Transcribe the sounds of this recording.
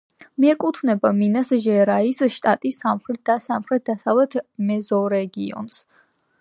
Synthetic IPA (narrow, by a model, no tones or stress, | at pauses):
miɛkʼut̪ʰvnɛbaminasʒɛɾaisʃt̪ʼat̪ʼisamχɾɛt̪̚d̪asamχɾɛt̪̚d̪asavlɛt̪ʰmɛzɔɾɛɡiɔ̰ns